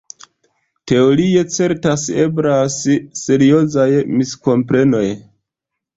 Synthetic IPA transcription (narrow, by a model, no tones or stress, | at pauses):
te̞oɾie̞t͡se̞ɾtasebɾasːe̞ɾio̞zajmisko̞mpɾe̞no̞j